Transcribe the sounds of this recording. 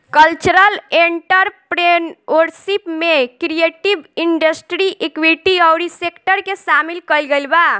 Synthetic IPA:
kəlt͡ʃuɾəleɳʈəɾpɾenwəɾsipmekɾijeʈibiɳɖəsʈɾiʔekwiʈiəwɾisekʈəɾkesamilkəjlɡelba

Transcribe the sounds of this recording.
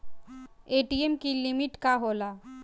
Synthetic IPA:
eʈiemkilimiʈkaɦola

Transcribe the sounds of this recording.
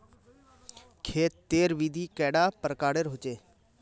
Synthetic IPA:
kʰeːt̪̚ːeːɾʋiːd̪ʱiːkɛːɽaːpəɾkaːɽeːɾɦʊt͡ʃeː

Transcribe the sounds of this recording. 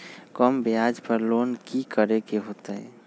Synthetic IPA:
kɔmbeaːd͡ʒpəɾloːnkikəɾekeɦoːt̪aɦɛ̰

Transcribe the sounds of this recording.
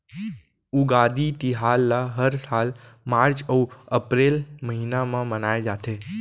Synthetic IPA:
uɡad̪it̪iɦalːaɦəɾsalmaɾt͡ʃəuəpɾelməɦinamãmənajd͡ʒat̪ʰe

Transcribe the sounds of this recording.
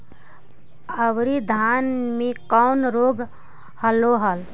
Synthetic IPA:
əwɾid̪ʱanmekəʊnɾoɡ | həloɦəl

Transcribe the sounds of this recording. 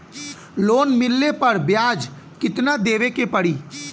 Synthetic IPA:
loːnmɪlːepɐɾbjaːd͡ʒ | kɪt̪nad̪eːʋekepɐɽiː

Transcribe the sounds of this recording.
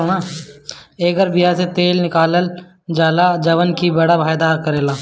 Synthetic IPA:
naː | eːɡəɾbijaset̪eːlnɪkaːləl | d͡ʒaːlad͡ʒɐʋənkibɐɽabʱaːjed̪aːɾkɐɾeːlaː

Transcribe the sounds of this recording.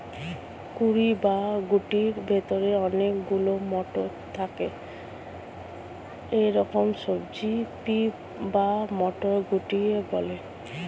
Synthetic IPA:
kuɾibaɡuʈiɾbʱet̪oɾeɔnekɡulomɔʈo | t̪ʰake | eɾɔkomsobd͡ʑipi | bamɔʈoɡuʈiebɔle

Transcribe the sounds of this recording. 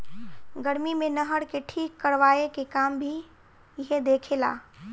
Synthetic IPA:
ɡəɾmimẽnəɦəɽkeʈʰiːkːəɾʋaːekekaːmbʱi | ɪɦed̪eːkʰela̰ː

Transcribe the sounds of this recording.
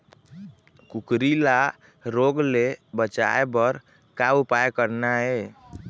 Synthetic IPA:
kukɾila | ɾoɡlebət͡ʃa̰ebəɾ | kaupajkəɾnaɛ

